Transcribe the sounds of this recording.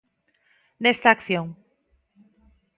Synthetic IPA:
nest̪aːkθjoŋ

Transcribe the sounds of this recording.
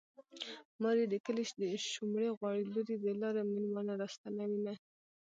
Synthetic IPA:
mɑɾid̪ikəliʃd̪əʃumɽeɣwɑɽiloɾid̪əlɑɾeminmɑnaɾɑst̪anawina

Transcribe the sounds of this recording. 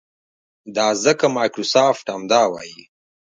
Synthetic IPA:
d̪aːzɐkɐmaːjkɾusaːfʈamd̪aːwa̰ːji

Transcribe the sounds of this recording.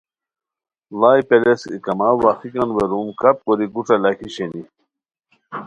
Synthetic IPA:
laːjpelesḭkɐmawaxikɐnʋeɾumkɐp̚koɾiɡuʈ͡ʂɐlakʰiɕeni

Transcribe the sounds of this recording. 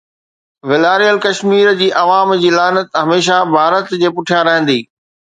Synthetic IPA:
ʋɪlaːɾijəlkɐʃmiːɾd͡ʑiːʔɐʋaːmd͡ʑiːlaːnət̪ɦɐmeːʃ̬abʱaːɾət̪d͡ʑeːpʊʈʰijãɾɐɦə̃nd̪iː

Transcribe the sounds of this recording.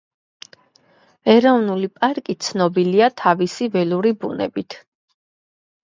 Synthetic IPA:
ɛɾɔvnulipʼaɾkʼit̪sʰnɔbiliat̪ʰavisivɛluɾibunɛ̰bit̪ʰ

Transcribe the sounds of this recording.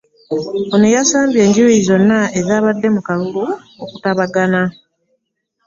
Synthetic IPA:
onejasaːmbje̞ːɲɟiwiizo̞nːaezaːβadːe̞mukalulu | okutaβaɡana

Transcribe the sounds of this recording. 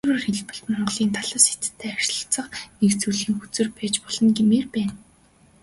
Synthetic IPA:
wɘ̆ːrxeɮpɘ̆ɮmɔɴɢɞ̆ɮiːnt̪ʰaɮə̆ːse̥t̪ʰt̪ʰːæːarɮə̆t͡sə̆χnekt͡suɮiːŋxut͡sɘ̆rpæːt͡ɕpɔɮɞ̆nɡemeːrpæːn

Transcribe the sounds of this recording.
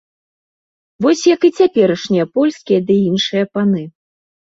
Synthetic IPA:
vɔsʲjɐkɨt͡sʲapʲɛɾɐʂnʲijɐpɔlʲskʲijɐd̪ɨinʂɨjɐpanɨ

